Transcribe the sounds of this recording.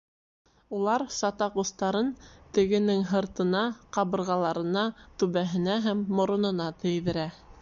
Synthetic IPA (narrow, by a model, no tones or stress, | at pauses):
ulˠɑɾsɑt̪ɑqust̪ɑɾɤnt̪ɘ̆ɡɘ̆nɘŋɦɤ̆ɾt̪ɤ̆nɑqɑβɤ̆ɾʁɑlˠɑɾɤ̆nɑt̪ʉβæɦɘ̆næɦæmːŏɾŏnɤ̆nɑt̪ɘ̆jðɘ̆ɾæ